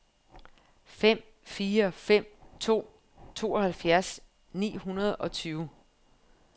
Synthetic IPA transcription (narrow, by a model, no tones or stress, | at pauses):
fem̰ | fiːɐfem̰t͡sʰo̝̰ː | t͡sʰo̝̰ːɒ̽hælfjæɐs | nḭːɦunɐð̞ˠɒ̽t͡sʰyːʊ